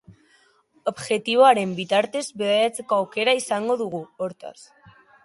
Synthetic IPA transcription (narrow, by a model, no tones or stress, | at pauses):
o̞bʝe̞t̪iβ̞o̞aɾe̞mbit̪aɾt̪e̞zbeðeɾat͡se̞koawke̞ɾaisaŋɡo̞ðuɣ̞uo̞ɾt̪a̰s